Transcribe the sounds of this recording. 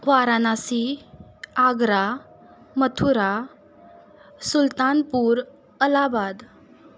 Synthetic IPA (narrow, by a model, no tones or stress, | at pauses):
ʋaɾanasi | aɡɾa | mət̪ʰuɾa | sult̪anpuːɾ | əlabad̪